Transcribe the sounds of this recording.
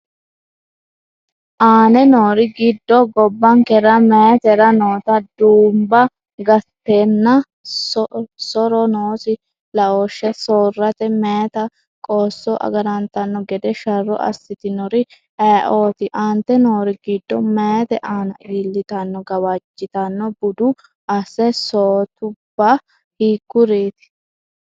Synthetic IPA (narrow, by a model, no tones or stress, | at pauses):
ʔaːnɛnoːɾɪɡɪd̪ːɔɡɔbːɐŋkɛɾɐmɛːt̪ɛɾɐnoːt̪ɐd̪uːmbɐ | ɡɐt̪ːeːnːɐ | ssɔɾɔnoːsɪ | lɐoːʃːɛsoːrːɐt̪ɛmeːt̪ɐ | kʼoːsːɔʔɐ̰ɡɐɾɐnt̪ɐnːɔɡɛd̪ɛʃɐrːɔ̰ʔɐ̰sːɪt̪ɪnɔɾɪ | ɛːʔo̞ːt̪ɪʔɐnt̪ːɛnoːɾɪɡid̪ːɔmeːt̪ɛʔaːnɐʔiːlːɪt̪ɐnːɔɡɐwɐt͡ʃːɪt̪ɐnːɔbʊd̪ʊ | ʔɐsɛsoːt̪ʊbːɐ | hiːkːʊɾeːt̪ɪ̥